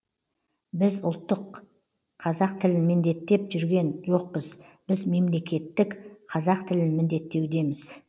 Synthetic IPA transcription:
bɪzʊlˠt̪ːəqʰ | ɑzɑqt̪ʰɪlɪnmɪnd̪e̞t̪ːe̞pʒʏɾɡʲe̞nʒo̞q̚pəzbɪzme̞mle̞kʲe̞t̪ːɪkqʰɑzɑqt̪ʰɪlɪnmɪnd̪e̞t̪ːe̞wd̪e̞mɪz̥

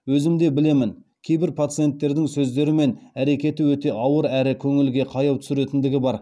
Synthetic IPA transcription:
wɵzɪmd̪e̞bɪle̞mɪnkʲʰe̞jbɪɾpʰat̪sɨije̞nt̪ːe̞ɾd̪ɪŋsɵzd̪e̞ɾɪme̞næɾe̞kʲe̞t̪ɪwɵt̪e̞ʔɑwəɾæɾɪkʲʰɵŋɪlɡʲe̞qʰɑjɑwt̪ʰʏ̥sɪɾe̞t̪ɪnd̪ɪɡʲɪbɑɾ

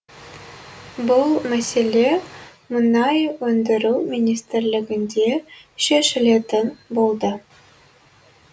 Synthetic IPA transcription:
bɤlˠmæsʲelʲe | munɑjwɵnd̪ɘ̆ɾuwmʲinʲist̪rʲlʲɘ̆ɡɘ̆nd̪ʲeɕeʃɘ̆lʲet̪ɘnbolˠd̪ɤ

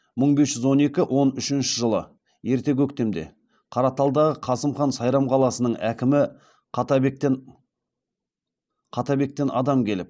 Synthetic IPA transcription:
məɴbe̞sʒʏzwo̞ne̞kʲɪʔo̞nʏʃɪnʃɪʒəlˠə̰ | je̞ɾt̪e̞k̬ʲʰɵk̚t̪e̞md̪e̞̰ | qʰɑɾɑt̪ɑlˠd̪ɑʁəqʰɑsəmχɑnsɑjɾɑmqʰɑlˠɑsənəɴækʲɪmɪ | t̪bek̚t̪en | qʰɑt̪ɑbe̞k̚t̪e̞nʔɑ̰d̪ɑmkʲʰe̞lɪp̚

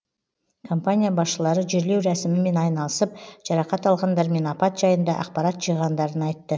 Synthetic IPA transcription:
kʰo̞mpanʲijabɑsʃəlˠɑɾəʒɪɾle̞wɾæsɪmɪme̞nɑjnɑlˠəsəp̚ʒ̥ɑɾɑqɑt̪ɑlˠʁɑnd̪ɑɾme̞nɑpɑt̪ʒɑjənd̪ɑʔɑ̰qpɑɾɑt̪ʒ̥əjʁɑnd̪ɑɾənɑjt̪ːə

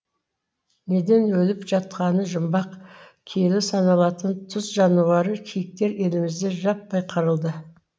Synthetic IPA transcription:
ne̞d̪e̞nwɵlɪpʒ̥ɑt̪̚qɑnəʒəmbɑqkʲʰe̞lɪsɑnɑlˠɑt̪ənt̪ʰʊzʒɑnuwɑɾəkʲʰijɪk̚t̪e̞ɾe̞lɪmɪzd̪e̞ʒɑp̚bɑjqʰɑɾəlˠd̪ə

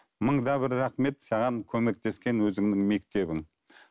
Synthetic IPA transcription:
məɴd̪ɑbɪɾːɑχme̞t̪sɑʁɑŋkʲʰɵme̞k̚t̪e̞skʲe̞nwɵzɪŋnɪŋme̞kt̪e̞bɪŋ

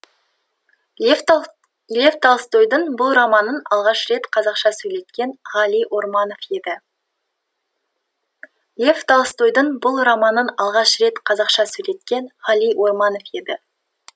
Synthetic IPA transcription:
lʲeft̪ɑlˠst̪ojd̪əɴbʊlˠrɑmɑnənɑlˠʁɑʃɾe̞t̪qʰɑzɑqʃɑsɵjle̞t̪kʲe̞nʁɑlijʔwo̞ɾmɑno̞fje̞d̪ɪ | lʲeft̪ɑlˠst̪ojd̪əɴbʊlˠrɑmɑnənɑlˠʁɑʃɾe̞t̪qʰɑzɑqʃɑsɵjle̞t̪̚kʲe̞nʁɑlˠijwʔo̞rmɑno̞fje̞d̪ɪ

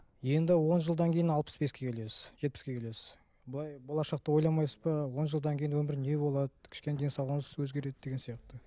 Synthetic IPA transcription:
je̞nd̪ɪwo̞nʒəlˠd̪ɑŋkʲʰe̞jɪnɑlˠpə̥sbe̞skʲʰe̞kʲʰe̞le̞sɪ̥z̥ʒ̥e̞t̪̚pɪ̥skʲe̞kʰʲe̞le̞sɪz | bəlˠɑjbolˠɑʃɑq̚t̪ɑwo̞jlˠɑmɑjsə̥zbɑwo̞nʒəlˠd̪ɑŋkʲʰe̞jɪnwɵmɪɾne̞bo̞lˠɑd̪əkʲʰɪ̥ʃkʲened̪ejnsɑʁənəz̥wɵzɡʲe̞ɾe̞d̪ɪd̪e̞ɡʲensijɑq̚t̪ə

